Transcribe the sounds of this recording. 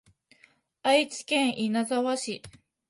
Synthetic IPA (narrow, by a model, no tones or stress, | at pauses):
ajt͡si̥kẽŋʔinazawaɕi